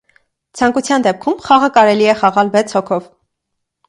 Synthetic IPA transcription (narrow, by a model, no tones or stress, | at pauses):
t͡sʰɑŋkut͡sʰjɑnd̪ɛp̚kʰumχɑʁəkɑɾɛliɛχɑʁɑlvɛt͡sʰhɔkʰɔv